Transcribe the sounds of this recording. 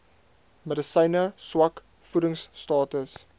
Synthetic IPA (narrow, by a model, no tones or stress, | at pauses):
mədəsəjnəswɐk | fuɾəŋsːtɑːtəs